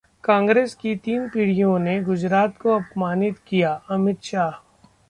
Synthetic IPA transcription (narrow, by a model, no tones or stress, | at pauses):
kãːŋɡɾeːskit̪iːnpiɽ̤ijõneɡʊd͡ʒɾaːt̪koɐpmaːnɪt̪kijaɐmɪt̪ʃaːɦ